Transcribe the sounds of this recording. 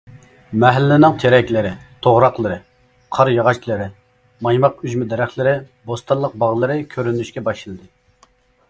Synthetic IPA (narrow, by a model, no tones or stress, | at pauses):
mɛɦælːɪnɪŋt͡ʃ̪ʰeɾɛkʲlɪɾɪt̪ʰoʁɾɑqlˠɨɾɨ | qʰɑɾjɑʁɑt͡ʃlˠɨɾɪ | mɑjmɑqyd͡ʒmɪd̪ɛɾæχlˠɪɾɪ | bost̪ɑnlˠəq̚bɑʁlˠɨɾɨkʲʰøɾynyʃkʲɛbɑʃɨlˠɨd̪ɨ